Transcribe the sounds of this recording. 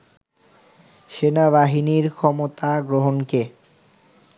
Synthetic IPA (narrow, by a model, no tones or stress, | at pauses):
ʃenaβaɦiniɾkʰɔmot̪aɡɾoɦonke